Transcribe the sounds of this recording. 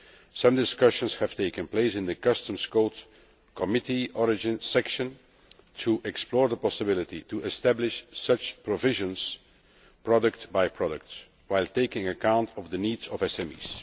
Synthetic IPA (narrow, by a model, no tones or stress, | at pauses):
sʌ̃mdɪskʌʃə̃nshɨv̥teɪkə̃npleɪsɪ̃ndəkʌstə̃mskoʊt | kʰɔmɪtiɔɹɪd͡ʒɪ̃nsɛkʃə̃n | tʰuʔɛksplɔːɹðəpɔsəbɪlˠɪtituɛstæblɪʃsʌt͡ʃpɹɔvɪʒə̃ns | pɹɔdək̚tbaɪpʰɹɔdək̚ts | waɪlˠteɪkɪ̃ŋəkãʊ̃ntʰɔvdəniːdzɔvɛsɛmḭːs